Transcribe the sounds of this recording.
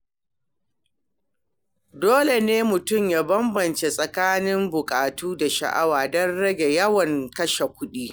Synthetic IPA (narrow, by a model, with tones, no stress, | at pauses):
doː˦le˨neː˦mʊ˨tʊ˦˨mjaː˦bɐ˦mbɐ˨nt͡ʃe˨sʼɐ˨kaː˦nɪ˦mbʊ˨kʼaː˨tuː˦da˨ʃɐ̰˨ʔa˦waː˨dɔ˦nɽɐ˦ɡʲe˨jɐ˦wɐ˨ŋkɐ˦ʃe˨kʷʊ˦ɗiː˦